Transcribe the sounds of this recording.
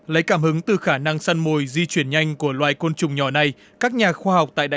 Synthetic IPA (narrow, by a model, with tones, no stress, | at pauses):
lə̰˨˦jkaː˧˩mhɨ˨˦ŋt̪ɨ˨˩xaː˧˩na˧ŋsa˧nmo˨˩jzi˧t͡ɕwi˧˩ənɲa˧jŋ̟ku˧˩əlwa̰ː˧˨jko˧nt͡ɕʊ˨˩ŋ͡mɲɔ˧˩na˧j | kaː˦˥k̚ɲaː˨˩xwaː˧ha˨˩wk͡p̚t̪a̰ː˧˨jɗaː˧˨